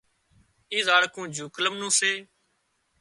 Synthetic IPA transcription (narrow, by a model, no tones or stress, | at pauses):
iːzaːɽkũːd͡ʒuːkləmnũːseː